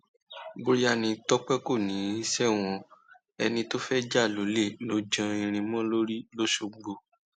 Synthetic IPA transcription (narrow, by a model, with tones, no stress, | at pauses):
bo˧ɾi˦a˧˨nĩ˧tɔ˦k͡pɛ˦ko˦˨nĩ˨˦i˦sɛ˦w̃ɔ̃˧ | ɛ̰˧nĩ˧to˦fɛ˦d͡ʒa˦˨lo˨˦le˦˨lo˨˦d͡ʒã˧ĩ˧ɾ̃ĩ˧mɔ̃˦lo˦ɾi˦lo˦ʃo˧ɡ͡bo˧